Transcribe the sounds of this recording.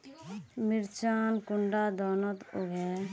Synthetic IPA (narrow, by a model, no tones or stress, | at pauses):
mɪɾt͡ʃaːnkʊɳɖaːd̪ɔːnət̪oɡɛː